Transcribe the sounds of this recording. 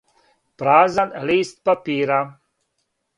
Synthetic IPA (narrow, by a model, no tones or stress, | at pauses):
pɾaːzanlist̪̚papiːɾa